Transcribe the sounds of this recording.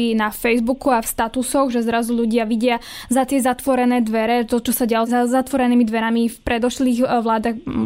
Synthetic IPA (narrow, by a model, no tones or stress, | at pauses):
inafɛjzbukuafst̪at̪usɔɣʒɛzɾazuʎuɟɪaʋiɟɪazat̪ɪɛzat̪ʋɔɾɛnɛːd̪ʋɛɾɛt̪ɔt͡ʃɔsaɟɛalɔzazat̪ʋɔɾɛniːmid̪ʋɛɾamifpɾɛd̪ɔʃliːɣʋlaːd̪ax